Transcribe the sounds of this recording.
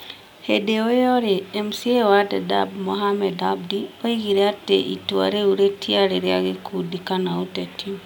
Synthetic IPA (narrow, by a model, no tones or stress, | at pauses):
hedeojɔɾeːmsiewadeda̰bmoɦamɛdab̚dioiɡiɾeatḛʔḭtuwa̰ɾeuɾetiaɾeɾja̰ɡekudikanautatiu